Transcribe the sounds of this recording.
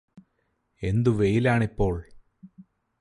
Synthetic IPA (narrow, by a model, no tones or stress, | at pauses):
e̞nd̪uʋejilaːɳipːo̞ːɭ